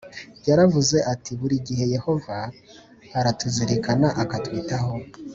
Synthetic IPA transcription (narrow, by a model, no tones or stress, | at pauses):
ɟaɾavuze̞ʔatʰiβuɾiɟihe̞je̞ho̞va | haɾatuziɾikanaʔakatwiːtaho̞